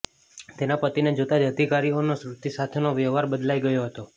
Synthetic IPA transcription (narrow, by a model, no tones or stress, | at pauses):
t̪enapət̪ined͡ʒot̪ad͡ʒəd̪ʱikaɾionosɾut̪isat̪ʰenoʋəɦʋaɾbəd̪lajɡəjoɦət̪o